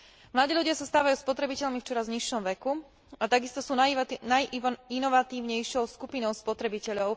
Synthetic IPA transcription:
mlad̪iːlʎuɟɪasast̪aːʋajuːspɔt̪ɾɛbicɛʎmift͡ʃɔɾazɲiʃːɔmʋɛku | at̪aɡist̪ɔsuːanajʔinɔʋat̪iːʊɲɛjʃɪɔʊskupinɔʊspɔt̪ɾɛbicɛʎɔʊ

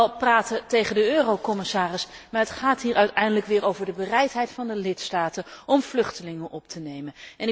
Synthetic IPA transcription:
ɛlˠpraːtətejχəndəøːrowkɔmɪsaːrɪsmaːɹɦətχaːtɦiːɹʔœɥtɛjndələkʋɪːɹowvəɹdəbərɛjtɦɛjtfɑndəlɪtstaːtəɔmv̥lɵχtəlɪŋənʔɔp̚tʰənejməɛnɪ

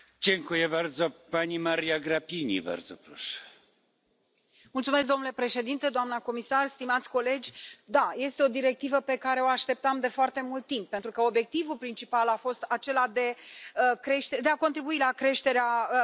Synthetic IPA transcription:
d͡ʑeŋkujebaɾd̪zopanʲimaɾijaɡɾapʲinʲḭba̰rd̪zopɾoʃɛ̥ | mult̪sumesk̚d̪onule̞pɾe̞ʃe̞d̪int̪e̞d̪oamnəko̞misarst̪imat̪sʲko̞le̞d͡ʒʲd̪aje̞st̪eo̞d̪iɾe̞k̚t̪ivəpe̞kaɾe̞o̞aʃt̪e̞p̚t̪amd̪e̞foart̪e̞mult̪ːimp̚pːe̞nt̪ɾukəo̞bje̞k̚t̪ivulpɾint͡ʃipalafo̞st̪at͡ʃe̞lad̪e̞kɾe̞ʃt̪ed̪e̞akont̪ɾibuilakɾe̞ʃt̪e̞ɾea

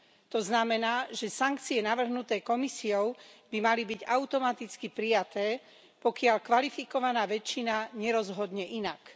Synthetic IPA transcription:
t̪ɔznamɛnaːʒɛsaŋk̚t͡siɛnaʋr̩ɦnut̪ɛːkɔmisiɔʊb̥imalibiɟaʊt̪ɔmat̪it͡skipɾijat̪ɛː | pɔkɪaʎkʋalifikɔʋanaːʋɛt͡ʃːinaɲɛɾɔzɦɔd̪ɲɛʔinak

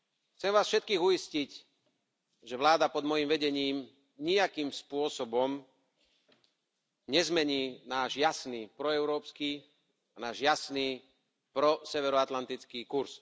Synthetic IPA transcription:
xt͡sɛmʋaːsfʃɛt̪̚kiːɣuiscic | ʒɛʋlaːd̪apɔd̪mɔjiːmʋɛɟɛɲiːm | ɲiakiːmspʊɔsɔbɔm | ɲɛzmɛɲiːnaːʒjasniːpɾɔɛʊɾɔːpskiː | anaːʒjasniː | pɾɔsɛʋɛɾɔat̪lant̪it͡skiːkuɾs

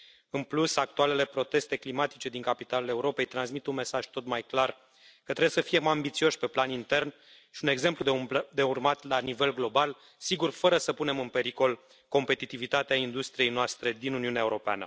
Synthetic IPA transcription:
ɨnplusak̚t̪uale̞le̞pɾo̞t̪e̞st̪e̞klimat̪i̥t͡ʃe̞d̪iŋkapit̪alule̞uɾo̞pe̞jt̪ɾansmit̪unme̞saʒ̥t̪o̞t̪majklar | kət̪ɾejesəfije̞mambit̪sio̞ʃʲpe̞planint̪e̞rn | ʃi̥une̞ɡze̞mplud̪d̪e̞urmat̪lanive̞lɡlo̞bal | siɡurfəɾəsəpune̞mɨnpe̞ɾiko̞l | ko̞mpe̞t̪it̪ivit̪at̪eaind̪ust̪ɾije̞jnoast̪ɾe̞d̪inuniuneaeuɾo̞pea̰nə̰

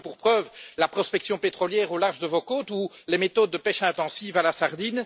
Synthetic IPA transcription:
puʁpχœːvlapχɔspɛksjɔ̃pet̪χɔljɛːʁolaʁʒd̪əvokoːt̪ulemet̪ɔd̪ːəpɛʃɛ̃t̪ɑ̃siːvalasaʁd̪in

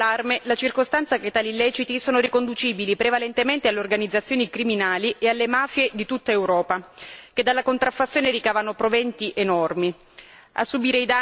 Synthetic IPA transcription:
armelat͡ʃirkost̪ant̪saket̪ːaːlilːɛːt͡ʃit̪isoːnorikond̪ut͡ʃiːbilipɾevalɛnt̪ement̪ealːeorɡanid̪zːat̪sːjoːnikɾiminaːliealːemaːfjed̪it̪ut̪ːaewɾɔːpaked̪alːakont̪ɾafːat̪sːjoːneɾikaːvanopɾovɛnt̪iʔenɔrmi | a̰sːubiːɾeid̪a

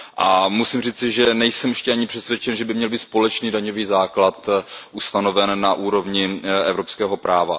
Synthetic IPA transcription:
ʔamusimriːt͡sɪʒɛnɛjsɛmjɛʃcɛʔaɲɪpr̥ɛsvjɛt͡ʃɛnʒɛbɪmɲɛlbiːt̪spo̞lɛt͡ʃniːdaɲoviːzaːklat̪ʔust̪ano̞vɛnːaʔuːɾo̞vɲɪɛvɾo̞pskɛːɦo̞pɾaːva̰

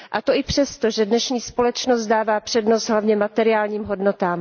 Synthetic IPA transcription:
ʔat̪o̞ʔɪpr̝̥ɛst̪oʒɛdnɛʃɲiːspo̞lɛt͡ʃnost̪̚daːvaːpr̥ɛdnost̪ɦlavɲɛmat̪ɛɾɪaːlɲiːmɦo̞dnot̪aːm

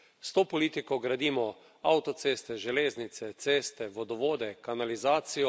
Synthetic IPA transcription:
st̪oːpɔliːt̪ikɔɡɾad̪iːmɔ | awt̪ɔt̪seːst̪ɛʒɛleːznit̪sɛt̪seːst̪ɛʋɔd̪ɔʋoːd̪ɛkanalizaːt̪sijɔ

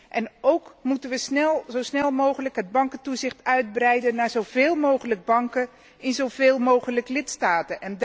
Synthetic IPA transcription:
ʔɛnowkmutənʋəsnɛzowsnɛlˠmowχələkɦəd̚bɑŋkətuzɪχtœɥd̚brɛjdənːaːɹzowveːlˠmowχələɡ̚bɑŋkə | ɪnzowveːlˠmowχələklɪtstaːtənʔɛnd

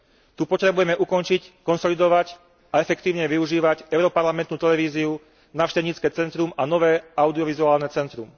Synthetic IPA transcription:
t̪upɔt̪ɾɛbujɛmɛʔukɔnt͡ʃickɔnsɔlid̪ɔʋac | aɛfɛkt̪iːʊɲɛʋiuʒiːʋacɛʊɾɔpaɾlamɛnt̪nuːt̪ɛlɛʋiːziu | naʊʃcɛɲiːt͡skɛːt͡sɛnt̪ɾumanɔʋɛːaʊd̪iɔʋizuaːlnɛt͡sɛnt̪ɾum

